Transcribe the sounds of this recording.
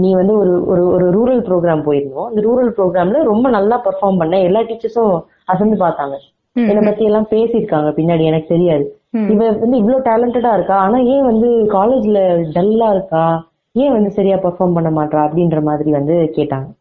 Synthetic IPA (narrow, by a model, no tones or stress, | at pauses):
nĩːʋɐnd̪ɯɔɾɯɔɾɯɔɾɯɾuːɾɐlpɾoːɡɾaːmpoːjɪɾɯnd̪õɐnd̪ɐɾuːɾɐlpɾoːɡɾaːmlɐɾɔmbɐnɐlːaːpɐɾfaːɾmpɐɳːɐ̃ɛlːaːʈiːt͡ʃːɐɾsʊ̃ | ɐsɛnd̪ɯpaːɾt̪aːŋɡɐ | ɛnːɐpɐt̪ːɪjɐlːãːpeːsɪɪɾɯkːaːŋɡɐpɪnːaːɽiɛnɐkːɯ̥sɛɾɪjaːðɯ | ɪʋɐʋɐnd̪ɯɪʋːɭoːʈaːlɐɳʈɛɽaːɪɾɯkːaːaːnaːẽːʋɐnd̪ɯkaːleːd͡ʒɪlɐɖɐlːaːɪɾɯkːaː | ẽːʋɐnd̪ɯsɐɾɪjaːpɐɾfaːɾmpɐɳːɐmaːʈrãːɐpːɐɽɪnɾɐmaːðɪɾiʋɐnd̪ɯkeːʈːaːŋɡɐ